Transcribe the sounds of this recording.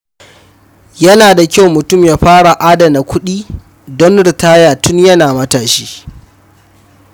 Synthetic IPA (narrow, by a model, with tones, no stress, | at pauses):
jɐ˦naː˨da˨kʲa˦wmʊ˨tʊ˦˨mjaː˦ɸaː˦ɽa˨ʔaː˦dɐ˨na˨kʷʊ˦ɗiː˦ | dɔ˦nɽɪ˨taː˦jaː˨tʰʊ˦ɲjɐ˦naː˨mɐ˦taː˨ʃiː˦